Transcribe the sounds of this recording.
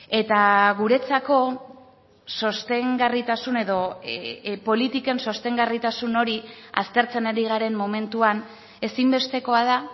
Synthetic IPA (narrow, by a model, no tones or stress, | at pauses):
e̞t̪aɣuɾe̞t͡sako̞ | so̞st̪e̞ŋɡarit̪asune̞ðo̞ | po̞lit̪ike̞nso̞st̪e̞ŋɡarit̪asuno̞ɾia̰st̪e̞ɾt͡se̞naɾiɣaɾe̞mːo̞me̞nt̪uan | e̞simbe̞st̪e̞ko̞að̞a